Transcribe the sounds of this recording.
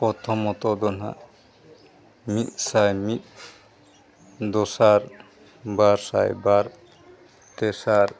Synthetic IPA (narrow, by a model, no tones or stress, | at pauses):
pɔt̪ʰɔmɔt̪ɔd̪ɔna̰ | mit̪sajmit̪̚ | d̪ɔsaɾ | baɾsajbaɾ | t̪esaɾ